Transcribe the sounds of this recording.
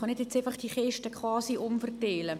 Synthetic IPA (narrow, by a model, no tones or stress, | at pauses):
χɑnɪdjet͡saɪfɑχd̥iχɛʃtəkχwɑːsiʔʊmfərteːlə